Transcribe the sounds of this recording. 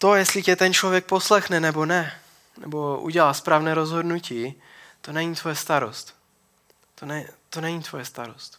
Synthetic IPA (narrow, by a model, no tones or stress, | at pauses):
t̪o̞jɛst̪lɪcɛt̪ɛnt͡ʃlo̞vjɛk̚po̞slɛxnɛnɛbo̞nɛ | nɛ̰bo̞ʔṵɟɛlaːspɾaːvnɛːɾo̞zɦo̞dnuciː | t̪o̞nɛɲiːt̪vo̞jɛst̪aɾo̞st̪ | t̪onɛt̪onɛɲiːt̪vojɛst̪aɾost̪